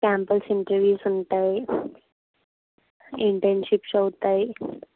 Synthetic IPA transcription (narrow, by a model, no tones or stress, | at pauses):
kæmpəlsiɳʈəɾʋiːsunt̪aj | iɳʈenɕipɕəwt̪aj